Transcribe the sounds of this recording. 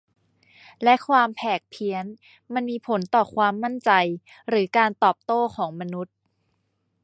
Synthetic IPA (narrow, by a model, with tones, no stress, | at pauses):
lɛ˦˥ʔkʰwaː˧mpʰɛː˨˩k̚pʰi˧˥ən | ma˧nmiː˧pʰo˩˦nt̪ɔː˨˩kʰwaː˧mːa˥˩nt͡ɕa˧j | ɾɯː˩˦kaː˧nt̪ɔː˨˩p̚t̪oː˥˩kʰɔː˩˦ŋma˧nu˦˥t̪̚